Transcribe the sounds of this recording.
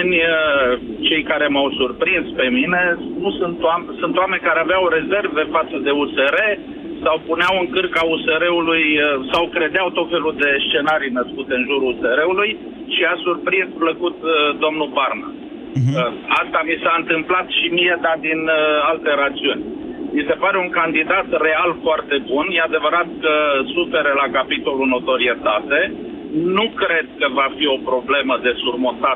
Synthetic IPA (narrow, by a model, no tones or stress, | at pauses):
nʲət͡ʃe̞jkaɾe̞mawsurpɾinspe̞mine̞nusunt̪oamsunt̪oame̞nʲkaɾe̞aveawɾe̞ze̞rve̞fat̪səd̪e̞use̞ɾe̞ | sawpuneawɨŋkɨrkauseɾe̞ulujsawkɾe̞d̪eawt̪o̞t̪fe̞luld̪e̞st͡ʃe̞naɾijnəskut̪eɨnʒuɾuseɾe̞uluj | ʃiasurpɾinspləkut̪d̪o̞mnubarna̰ | əast̪amisaɨnt̪ɨmplat̪ʃimije̞d̪ad̪inalt̪e̞ɾat̪siunʲmise̞paɾe̞uŋkand̪id̪at̪re̞alfoart̪e̞bunjead̪e̞vəɾat̪̚kəsufe̞ɾelakapit̪o̞luno̞t̪o̞ɾie̞t̪at̪e̞ | nukɾe̞d̪̚kəvafio̞pɾo̞ble̞məd̪e̞surmot̪a